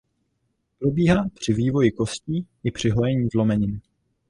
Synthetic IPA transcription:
pɾo̞biːɦaːpr̝̥ɪviːvo̞jɪko̞sciːʔɪpr̝̥ɪɦojɛɲiːzlo̞mɛɲɪn

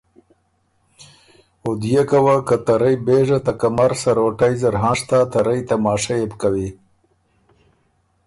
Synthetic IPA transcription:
od̪jekawakat̪aɾajbeʐat̪akamaɾsaɾoʈajzaɾɦɑ̃ːʂt̪at̪aɾajt̪amɑːʂajebkawi

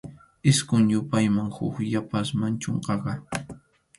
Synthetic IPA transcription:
ɪskʊŋɲʊpajmaŋhʊkjapasmant͡ʃoɴqɑɢɑ

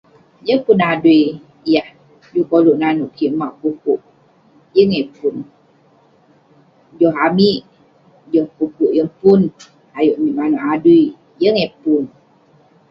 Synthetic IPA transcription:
jəŋpunadui | jah | jukoluʔnanuʔkiʔmaʔpukuʔ | jəŋepun | d͡ʒɔɦamiʔ | johpukuʔjəpun | ajoʔmiʔmanuʔadui | jəŋepun

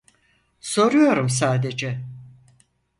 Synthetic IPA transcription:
so̞ɾujo̞ɾums̬aːd̪e̞d͡ʒɛ

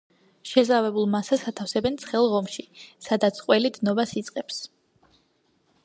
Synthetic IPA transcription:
ʃɛzavɛbulˠmasasat̪ʰafsɛbɛnt̪sʰχɛlˠʁɔmʃisad̪at̪sʰqʼwɛlid̪nɔbasit̪sʼqʼɛps

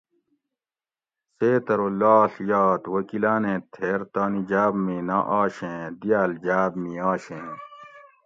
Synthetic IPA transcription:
seːt̪ɐɾoːlaːɬjaːt̪wɐkilaːnẽːt̪ʰeːɾt̪aːnid͡ʑaːbmĩːna̰ːʔaːɕẽːd̪ijaːld͡ʑaːbmĩːaːɕẽː

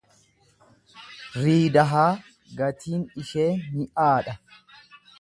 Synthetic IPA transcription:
ɾiːd̪ɐɦaː | ɡɐt̪ʰiːnɪʃe̞ːnmɪʔaːᶑɐ

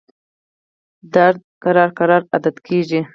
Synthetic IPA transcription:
d̪aɾd̪̚kaɾɑɾqaɾɑɾad̪ad̪kʰeʐi

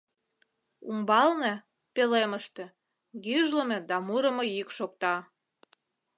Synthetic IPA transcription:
umbɑlne | peleməʃt̪ĕ | ɡyʒlə̆mĕd̪ɑmuɾə̆mojykʃok̚t̪ɑ

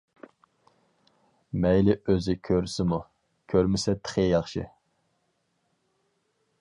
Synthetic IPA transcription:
mɛjlɪøzɪkʲʰøɾsɪmu | kʲʰøɾmɪsɛt̪ʰə̥χəjɑχʃɨ̰

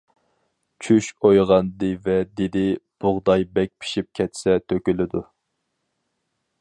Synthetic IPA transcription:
t͡ʃʰyʃojʁɑnd̪ɨvɛd̪ed̪ɪb̥ʊʁd̪ɑjbɛk̚ʲpʰi̥ʃip̚kʲʰɛt̪sɛt̪ʰøkʲylɪd̪u

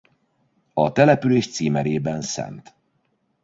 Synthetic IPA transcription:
ɒt̪ɛlɛpyleːʃt̪siːmɛɾeːbɛnsɛ̰nt̪

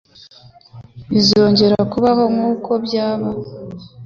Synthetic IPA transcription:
izo̞ːɲɟe̞ɾakuβaβomuːkʰo̞bɟaːβa

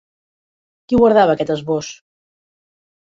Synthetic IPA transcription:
kiɣwaɾðaβəːkɛt̪əzβos

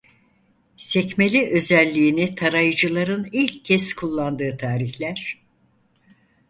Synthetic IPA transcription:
sɛcmelʲiʔø̞zælʲːiːnit̪ʰaɾajɯd͡ʒɯlˠaɾɯnilʲcʰːɛzkʰulˠːand̪ɯːt̪ʰaːɾiçlʲæɾ̥

